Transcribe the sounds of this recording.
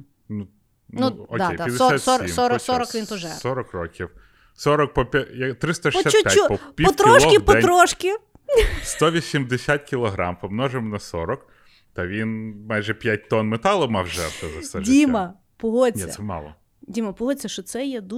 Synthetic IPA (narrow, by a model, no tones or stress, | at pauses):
nu | nuɔkd̪ʲej̪jɐd̪eɔssat̪sɔimɔɾɔsɾɔkʋʲint̪ɔʒɛsɔɾɔkrɔkʲiw | sɔɾɔk̚pɔpʲjɐt̪ɾɪst̪ɐʃɔsapjt͡ʃaupɔpʲipɔt̪ɾɔʃˠɔidpɔɛɾɔʃkʲɪ | st̪ɔʋʲisʲimd̪esʲat̪̚ʲkʲilˠɔɦɾɑmpɔmnɔʒemnɐsɔɾɔk | t̪ɐʋʲinmɑjʒɛpʲjat̚ʲt̪ɔnmet̪ɑlˠɔmɑwʒɛrt̪ɐzɐt̪ɛʒdʲimɐ | pɔɦɔnʲɛɐ̰sɛmɑ̰lˠɔ̰ | dʲimɐpʊɦɔt͡sʲɐʃɔt̪sɛjɛd̪u